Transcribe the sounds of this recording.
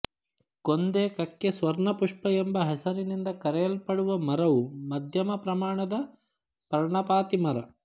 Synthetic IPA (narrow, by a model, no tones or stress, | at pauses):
kond̪eːkɐkːesʋɐɾɳɐpuʂpɐembɐɦɛsɐɾinind̪ɐkɐɾɛjɐlpɐɽuʋɐmɐɾɐʋumɐd̪ʱjɐmɐpɾɐmaːɳɐd̪ɐ | pɐɾɳɐpaːt̪imɐɾɐ